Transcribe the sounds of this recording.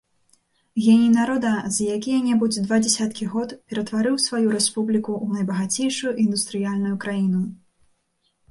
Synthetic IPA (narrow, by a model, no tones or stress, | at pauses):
ɣʲɛnʲijnaɾɔd̪ɐzjakʲijɐnʲɛbud͡zʲd̪vad͡zʲɛsʲat̪kʲiɣɔt̪pʲɛɾɐt̪vaɾɨwsvajuɾɛspublʲikuʔːnɐjbɐɣat͡sʲejʂujuʔind̪ust̪ɾɨjalʲnujukɾajinu